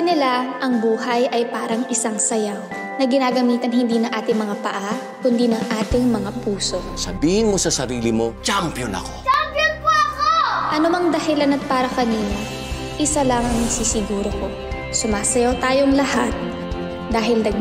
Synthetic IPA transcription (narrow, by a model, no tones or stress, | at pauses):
nɪlaʔɐŋbuːhɐjʔɐjpaːɾɐŋɪsaŋsɐja | nɐɡɪnaːɡɐmiːt̪ɐnɦɪnd̪iːnɐŋʔaːt̪ɪŋmɐŋapɐʔa | kʊnd̪iːnɐŋʔaːt̪ɪŋmɐŋapuːso̞ | sɐbiːhɪnmo̞sɐsɐɾiːlɪmo̞t͡ʃampjonɐ̰kot͡ʃapopɐkoʔɐnomɐŋd̪ɐhɪlanɐt̪̚paːɾɐkɐniːno | ʔɪsalaŋɐŋnɐɡsiːsɪɡuːɾoko̞ | sʊmaːsɐjot̪aːjoŋlɐhat̪̚ | d̪aːɦɪlnɐɡ̚